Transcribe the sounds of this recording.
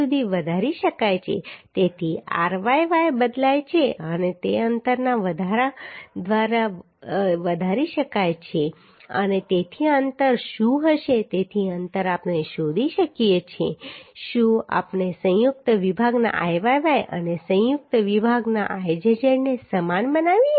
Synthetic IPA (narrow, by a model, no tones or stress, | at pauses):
ud̪ʱiʋəd̪ʱaɾiʃəkajt͡ʃʰḛt̪et̪ʰia̰ɾʋajʋajbəd̪lajt͡ʃʰeənet̪eənt̪əɾnaʋəd̪ʱaɾad̪ʋaɾa | ʋəd̪ʱaɾiʃəkajt͡ʃʰe | ə̰net̪et̪ʰiaənt̪əɾʃũɦəʃet̪et̪ʰiənt̪əɾapneʃod̪ʱiʃəkijet͡ʃʰeʃũa̰pnesə̃jʊk̚t̪əʋibʱaɡna̰ʔajʋajʋajə̰nesə̃jʊk̚t̪əʋibʱaɡna̰ʔajd͡ʒəd͡ʒəɽnesəmanbənaʋi